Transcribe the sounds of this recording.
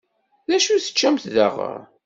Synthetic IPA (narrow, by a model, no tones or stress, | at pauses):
ðæʃuθə̥t͡ʃːæmθðaʁə̰ɾ